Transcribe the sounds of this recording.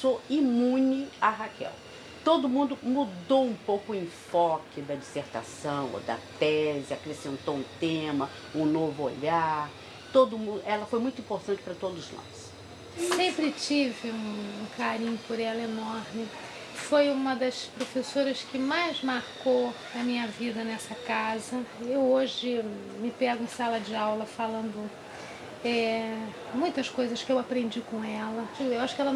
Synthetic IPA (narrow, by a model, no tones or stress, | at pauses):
soimũnɪaɦakɛ̰w | t̪od̪ʊmũnd̪ʊmud̪owũpowkʊẽj̃fɔkɪd̪ɐd͡ʒiseɾt̪a̰sɐ̃w̃o̰d̪ɐ̰t̪ɛzɪakɾesẽnt̪owũt̪ẽmɐ | ũnovʊoʎaɾ | t̪od̪ʊmũnd̪ʊʔɛlɐfojmũj̃t̪ʊĩpoɾt̪ɐ̃nt͡ʃɪ̥pɾɐt̪od̪ʊznɔ̰s | sẽmpɾɪt͡ʃivɪũũkaɾĩɲʊpoɾɛlɐenoɾmɪ | fojũmɐd̪ɐspɾofesoɾɐskɪmajzmaɾko | ɐmĩɲɐvid̪ɐnɛsɐkazɐewoʒɪ | mɪpɛɡʊẽsalɐd͡ʒɪawlɐfalɐ̃nd̪ʊ | ɛ | mũj̃t̪ɐskojzɐskɪewapɾẽnd͡ʒikõɛlɐd͡ʒiɡʊewaʃʊ̥kɛlɐ